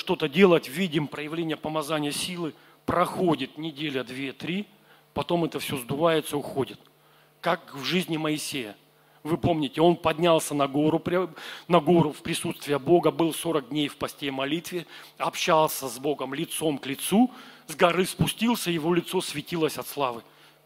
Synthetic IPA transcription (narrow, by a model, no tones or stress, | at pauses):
ʂt̪o̞t̪ədʲe̞lˠətʲvʲidʲɪmpɾəjɪvlʲenʲɪjəpəmɐzanʲɪjəsʲilˠɨ | pɾɐxo̞dʲɪt̪̚nʲɪdʲelʲəd̪vʲet̪ɾʲi | pɐt̪o̞mɛt̪əfsʲo̞zd̪ʊvajɪt̪səʊxodʲɪt̪ | kakvʐɨzʲnʲɪməɪsʲejə | vɨpo̞mnʲɪtʲɪo̞npɐdʲnʲalˠsʲənɐɡo̞ɾʊpɾʲnɐɡo̞ɾʊfpɾʲɪsut̪st̪vʲɪjəbo̞ɡəbɨlˠso̞ɾəɡ̚dʲnʲejfpɐsʲtʲejmɐlʲit̪vʲɪ | ɐpɕalˠsʲəzbo̞ɡəmlʲɪt̪so̞mklʲɪt̪suzɡɐɾɨspʊsʲtʲilˠsʲəjɪvo̞lʲɪt̪so̞svʲɪtʲilˠəsʲɐt̪slˠavɨ